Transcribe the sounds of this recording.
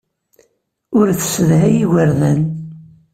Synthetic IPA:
ʊɾθsəðɦæjiwəɾðæn

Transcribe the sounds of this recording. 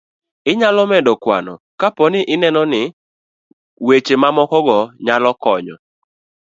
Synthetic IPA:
ɪɲalɔmɛdɔkwanɔ̰ | kapɔnɪʔɪnɛnɔnɪ | wet͡ʃemamɔkɔɡɔɲalɔkɔɲɔ

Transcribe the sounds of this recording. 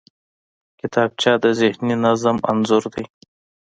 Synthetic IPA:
kɪt̪ɑːb̚t͡ʃɑːd̪əzɪhninazəma̰nzʊɾd̪ij

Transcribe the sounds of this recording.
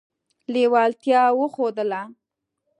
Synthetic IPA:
lewɑlt̪jɑwəxod̪əla

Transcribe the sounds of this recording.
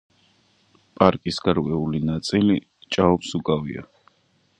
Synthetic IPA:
pʼaɾkʼisɡaɾkʼwɛulinat̪sʼili | t͡ʃʼaɔpsukʼavḭa̰

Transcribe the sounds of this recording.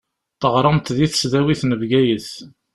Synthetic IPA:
t̪ˤəʁɾˤəmt̪ðiθsðæwiθnəvɡæjəθ

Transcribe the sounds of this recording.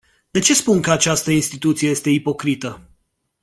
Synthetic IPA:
d̪e̞t͡ʃe̞spunkəat͡ʃast̪əinst̪it̪ut̪sieje̞st̪e̞ipo̞kɾit̪ə

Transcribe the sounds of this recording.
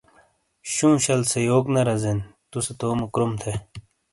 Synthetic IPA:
ɕũːɕɐlsejoːknɐɾɐzent̪uset̪oːmɐkɾomt̪ʰe

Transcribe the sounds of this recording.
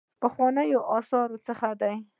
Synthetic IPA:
pəxwɑnəjoʔɑsɑɾot͡səxad̪aj

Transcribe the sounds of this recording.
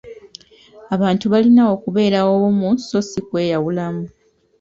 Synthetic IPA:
aβaːntuβalinao̞kuβe̞ːɾawowomuso̞sikwe̞ːjawulamu

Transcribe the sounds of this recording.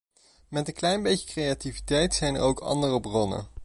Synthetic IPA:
mɛtənklɛjnbejcə̥krejativitɛjtsɛjnə̰ɹowkɑ̰ndərəbrɔnə̰

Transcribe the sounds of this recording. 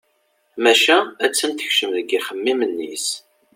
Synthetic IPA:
mæʃææt͡sːənt̪ə̥çʃəmðəɡiχəmːimənːḭs

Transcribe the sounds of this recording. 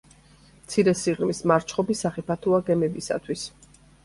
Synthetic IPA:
mt̪sʰiɾɛsiʁɾmismaɾt͡ʃʰχɔbisaχɛpʰat̪ʰuaɡɛmɛbisa̰t̪ʰwis

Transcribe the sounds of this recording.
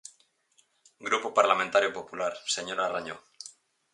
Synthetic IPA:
ɡɾupopaɾlamẽnt̪aɾjopopulaɾse̞ɲoɾaraɲo

